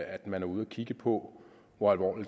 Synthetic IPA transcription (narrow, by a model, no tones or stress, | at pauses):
æd̥mænæɐuð̞ˠækʰiɡ̥əpʰɔ̽ | ʋɒælʋɒ̰ːlid̥